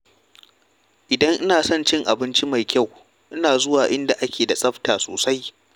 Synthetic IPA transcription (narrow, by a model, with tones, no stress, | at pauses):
ʔɪ˨dɐ˦ŋʔɪ˦naː˨sɔ˦nt͡ʃɪ˦ŋʔa˨bɪ˦nt͡ʃi˦ma˨jkʲa˦˨w | ʔɪ˦naː˨zʊ˦waː˨ʔɪ˦nda˨ʔa˦kʲʰeː˨da˨sʼɐ˦ɸtaː˨so̰ː˨sa˦j